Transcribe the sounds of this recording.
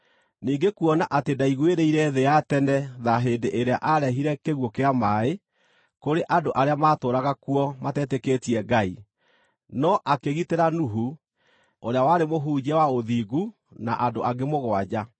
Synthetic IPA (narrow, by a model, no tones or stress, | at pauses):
niːŋɡekuɔnaʔatedaiɣweɾeiɾɛðeatɛnɛðaɦeːndeʔeɾea̰ʔaɾɛɦiɾɛkeɣwɔkeamae | koɾeʔandoʔaɾeamatoːɾaɣakuɔmatɛːtekeːtiɛɡai | nɔʔakeɣiteɾanuɦu | oɾeawaɾemoɦuːd͡ʑɛwaoðiːɣu | naʔandoʔaɡemoɣwad͡ʑa